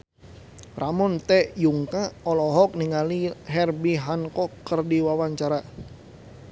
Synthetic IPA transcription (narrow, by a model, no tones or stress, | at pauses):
ramɔnt̪ɛjuŋkaɔlɔɦɔk̚niŋaliɦɛrbiɦankɔkːərdiwawaɲt͡ʃaɾa